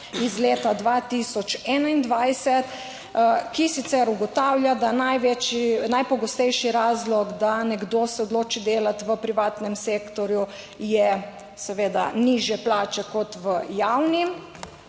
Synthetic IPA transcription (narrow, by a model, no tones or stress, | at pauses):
izleːt̪ad̪ʋat̪isɔt͡ʃɛːnaind̪ʋajsɛt̪ | kisit̪sɛɾuɡɔt̪aːwljad̪anajʋɛt͡ʃinajpɔɡɔst̪ɛjʃiɾaːzlɔɡd̪anɛɡd̪oːsɛɔd̪loːt͡ʃid̪eːlat̪ʋəpɾiʋaːt̪nɛmseːkt̪ɔɾju | jɛ | sɛʋeːd̪a̰niʒjɛplaːt͡ʃɛkɔt̪ʋəjawnim